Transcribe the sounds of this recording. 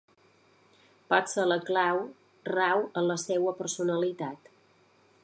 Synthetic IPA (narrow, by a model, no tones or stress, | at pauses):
pasələklaw | rawənləsɛwəpəɾsunəlit̪at̪